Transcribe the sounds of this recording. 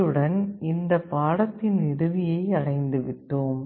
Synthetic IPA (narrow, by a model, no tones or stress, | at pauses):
ɯɽɐnɪnd̪ɐpːaːɽɐt̪ːɪnɪɾɯʋɪjɐɪɐɻɐɪnd̪ɯʋɪʈːoːm